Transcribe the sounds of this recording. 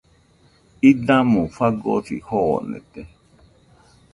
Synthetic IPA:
idãmũfaɡɔ̰tḭhɔɔ̰nɛ̰tɛ

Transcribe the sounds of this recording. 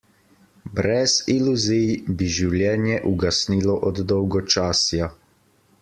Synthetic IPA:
bɾɛziluzijbiʒiwljɛːnjɛʔuɡasnilɔʔɔd̪d̪ɔwɡɔt͡ʃaːsja

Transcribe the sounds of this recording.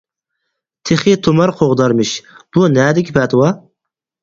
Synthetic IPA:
t̪ʰeχit̪ʰomɑɾqʰoʁd̪ɑɾmɨʃb̥unɛːd̪ɪkʲipʰɛt̪ʰɨwɑ

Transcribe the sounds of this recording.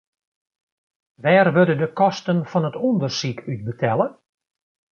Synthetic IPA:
ʋɛːrʋødədəkɔstənfɔnətɔndərsikʰyt̚bətʰɛlˠə

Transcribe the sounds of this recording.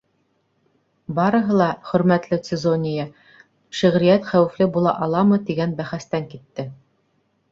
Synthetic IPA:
bɑɾɤ̆ɦɤ̆lˠɑχɵ̆ɾmæt̪lɘt̪sʲɘzonʲɪjɑ | ʃĭʁɾijæt̪χæwɘ̆flɘbulˠɑ̰ʔɑlˠɑmɤt̪iɡænbæχæst̪æŋkit̪ːɘ

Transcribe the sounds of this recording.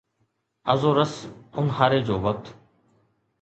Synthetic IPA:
əzoːɾəsʊnɦaːɾeːd͡ʑoːʋək̚t̪

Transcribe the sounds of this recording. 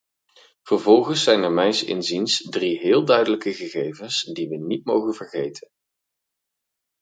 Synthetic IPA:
v̥əɹvɔlˠχənsɛjnəɹmɛjnsɪ̰nzinsdriɦɪːlˠdœɥdələkəχəχejvənsdiʋənitmowχənvəɹχejtʰən

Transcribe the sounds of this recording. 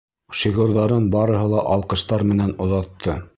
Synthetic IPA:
ʃiɣuɾðɑɾɤnbɑɾɤ̆ɦɤ̆lˠɑʔɑlˠqɤ̆ʃt̪ɑɾmɘ̆nænŏðɑt̪ʰːɤ

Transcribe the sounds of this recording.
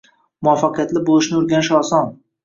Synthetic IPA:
mʊɒfːaqɨjat̪lɪbolˠɪʃnɪʊɾɡʲanɪʃɒsɒn

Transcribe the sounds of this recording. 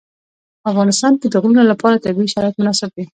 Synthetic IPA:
afɣɑnɪst̪ɑnk̪əd̪əɣlunolapɑɾat̪aɡiʃaɾɑjat̪mʊnɑsɪb̚d̪i

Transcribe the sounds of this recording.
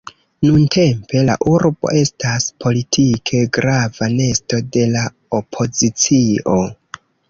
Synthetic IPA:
nunte̞mpe̞la̰ʔuɾbo̞̰ʔe̞staspʰo̞litʰikʰe̞ɡɾavane̞sto̞de̞la | o̞pʰo̞zit͡sio̞

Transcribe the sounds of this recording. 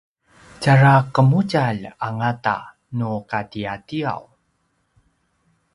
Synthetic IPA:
caɾakəmucaʎaŋata̰ | nukatiatia̰w

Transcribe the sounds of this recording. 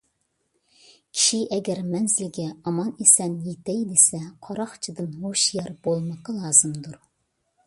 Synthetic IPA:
kʲʰi̥ʃiʔɛɡʲɛɾmɛnzɪlɡʲɛɑmɑnesɛnjet̪ʰɛjd̪esɛqʰɑɾɑχt͡ʃʰid̪ɨnhoʃjɑɾbolˠmɑqɑlˠɑːzɨmd̪uɾ

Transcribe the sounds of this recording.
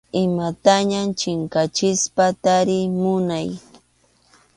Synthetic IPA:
ɪmat̪aɲamt͡ʃɪŋkat͡ʃɪspat̪aɾɪmʊnaj

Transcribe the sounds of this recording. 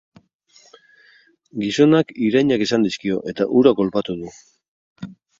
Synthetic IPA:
ɡiso̞nakiɾajɲakesand̪iskio̞ʔe̞t̪aʔuɾako̞lpat̪uðu

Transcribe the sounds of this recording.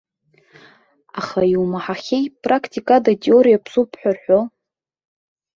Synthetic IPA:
aχaiwmaħaχʲejpʼrakʰtʰʲʼikʼadatʼeoɾijapʰsupʰħʷᶣarħʷᶣo

